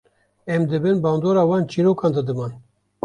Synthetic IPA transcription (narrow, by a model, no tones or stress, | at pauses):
ɛmd̪ɨbɨnbɑːnd̪oːɾɑːwɑːnt͡ʃiɾoːkɑːnd̪ɨd̪ɨmɑːn